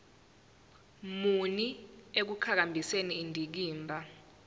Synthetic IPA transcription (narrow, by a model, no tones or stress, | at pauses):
muniek̬ukʰak̬ambʱiseniːndʱik̬iːmbʱa